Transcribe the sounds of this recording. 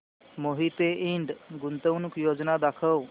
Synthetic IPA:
moɦit̪eʔiɳɖɡunt̪əwnukjod͡znad̪akʰəw

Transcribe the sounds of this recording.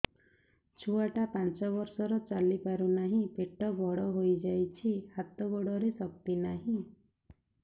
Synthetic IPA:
t͡ʃʰuaʈapant͡ʃɔbɔɾsɔɾɔt͡ʃalipaɾunaɦĩpeʈɔbʱɔɽɔɦojd͡ʒajt͡ʃʰihat̪ɔɡɔɽɔɾesɔk̚t̪inaɦĩ

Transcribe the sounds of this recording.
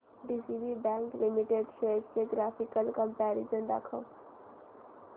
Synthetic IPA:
ɖisibibɛ̃ːŋklimiʈeɖʃeːʈkeɡɾaːfikəlkə̃mpɛːɾid͡ʒə̃nd̪a̰kʰə

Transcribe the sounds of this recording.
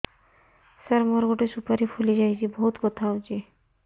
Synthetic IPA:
səɾmoɾɡoʈesupaɾipʰulid͡ʒajt͡ʃibɔɦut̪bɔt̪ʰawt͡ʃi

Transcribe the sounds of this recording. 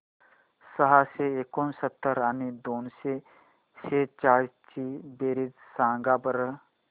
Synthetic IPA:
səɦaseekonsət̪ːəɾaːnid̪oːnse | seːt͡ʃaːɾit͡ʃibeːɾid͡zsãːŋɡabəɾə

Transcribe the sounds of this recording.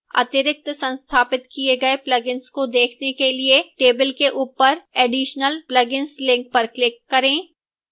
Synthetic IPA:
ɐ̰t̪ɪɾɪk̚t̪sɐ̃nst̪ʰaːpɪt̪kieɡɐeplɐɡɪnskod̪eːkʰnekelieʈeːbɪlkeʔuːpəɾɛːɖiːʃnəlplɐɡɪ̃nslɪ̃ŋk̚pɐɾklɪkːɐɾẽː

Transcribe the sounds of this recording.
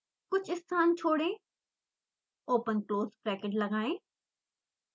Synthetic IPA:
kʊt͡ʃʰɪst̪ʰaːnt͡ʃʰoːɽẽː | oːpənkloːzpɾɛːkeʈləɡãːẽː

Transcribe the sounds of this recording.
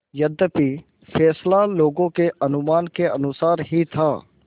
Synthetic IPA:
jəd̪əpi | fʰɛːslaloːɡõkeʔɐnʊmaːnkeɐnʊsaːɾɦit̪ʰaː

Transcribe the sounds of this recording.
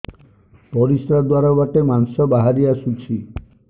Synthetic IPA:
pɔɾisɾad̪waɾabaʈemansɔbaɦaɾiasut͡ʃʰi

